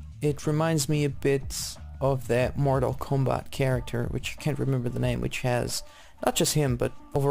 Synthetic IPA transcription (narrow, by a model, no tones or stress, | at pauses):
ɪt̚ɹɨmãɪ̃ndzmiɨbɪtsʌvðɨt̚mɔɹɾl̩ˠkʰɑ̃mbæ̰t̚kʰɛɹɨk̚tʰə̰˞wɨ̰t͡ʃaɪkʰæ̃nʔ̚ɹɨmɛ̃mbə˞ðənẽɪ̃mwɨ̰t͡ʃhɨz̥ | nət̚d̥ʒ̥ʌst̚hɪ̃mbʌɾoʊvə